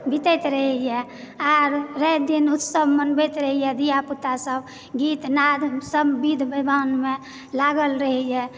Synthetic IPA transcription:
bʱit̪ɛt̪ɾəɦɛjɛ | aɾːəd̪inut̪səbʱmənbɛt̪ɾəɦijɛd̪ijaput̪asəb | ɡit̪nad̪ʱsəbbid̪ʱbəbʱanme | laɡəlɾəɦɛjɛ

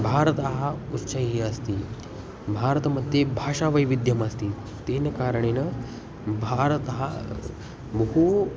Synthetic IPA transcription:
bʱaɾət̪əɦautːɕəjɦiəst̪iː | bʱaɾət̪məd̪ʱjebʱaʂaʋəjʋid̪jəməst̪iː | t̪enkaɾəɳenə | bʱaɾət̪ɦa | bəɦu

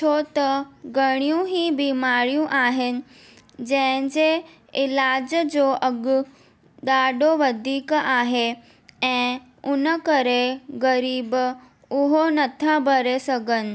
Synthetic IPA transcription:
tʰot̪ɐɡəɽ̃ijũɦibimaːɽijũʔaːɦɪnɪ̆ | d͡ʑɛ̃ɦɲd͡ʑe | ɪlaːd͡ʑd͡ʑoʔəɡ | d̪aːɖoʋəd̪ʱiːkaːɦe | ɛ̃ː | ʊnəkəɾeɡəɾiːb | ʊɦonɐt̪ʰabʱəɾesɐɡənɪ̆

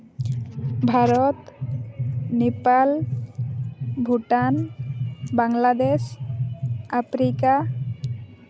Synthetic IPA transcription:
bʱaɾɔt̪ | nepal | bʱuʈan | baŋlad̪es | apʰɾika

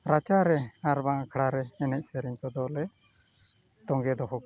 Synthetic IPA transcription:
ɾat͡ʃaɾɛaɾbaŋkʰɽaɾɛːnɛʔ̚sɛɾiɲkɔd̪ɔlɛ | t̪ɔŋɡɛd̪ɔɦɔk

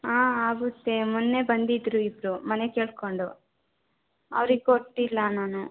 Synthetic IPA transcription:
aːaːɡut̪ːemunːe̞bɐnd̪id̪ɾuibɾumɐne̞ke̞ːɭko̞ɳɖu | ɐʋɾiɡoʈːilːɐnaːnu

